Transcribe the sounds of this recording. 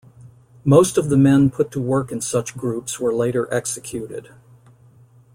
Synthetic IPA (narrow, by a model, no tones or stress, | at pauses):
moʊstʌvðɨmɛ̃npʰʊtʰəwɜ˞kɨ̃nsʌt͡ʃɡ̥ɹupswə˞leɪɾə˞ʔɛksɨkʰj̥ʉɾɪ̰d̥